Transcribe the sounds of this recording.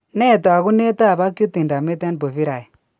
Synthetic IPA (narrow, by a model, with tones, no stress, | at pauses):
nɛ˦˨twa˨ɣu˦ne˦ta˦˨βa˦kju˦ti˨nda˨me˦tɛ˦nbo˨fi˦ɾa˨i˨